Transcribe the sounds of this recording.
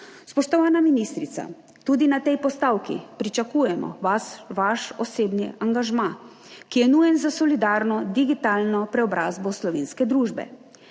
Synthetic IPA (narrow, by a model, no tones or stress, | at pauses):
spɔʃt̪ɔʋaːnaminist̪ɾit̪sa̰ | t̪ud̪inat̪ɛjpɔst̪aːwkḭpɾit͡ʃakuːjɛmɔ̰ʋasʋaʃɔseːbnɛ̰aŋɡaʒma | kijɛnujɛnzasɔlid̪aːɾnɔd̪iɡit̪aːlnɔpɾɛɔbɾaːzbɔslɔʋeːnskɛd̪ɾuːʒbɛ̰